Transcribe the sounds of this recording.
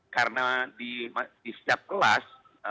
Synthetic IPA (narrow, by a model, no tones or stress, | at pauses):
karənadimdist̪ap̚kəlas